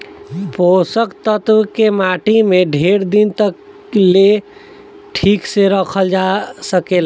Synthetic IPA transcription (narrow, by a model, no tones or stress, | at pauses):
bosəkt̪ət̪wkemaʈimeɖʱeɾd̪int̪ək | le | ʈʰikseɾəkʰəld͡ʒasəkel